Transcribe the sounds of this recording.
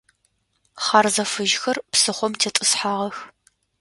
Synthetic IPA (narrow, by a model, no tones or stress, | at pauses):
χɑrzɐfɨʒxɐrpsɨχʷɔmtʰetʼɨsħaːʁɐx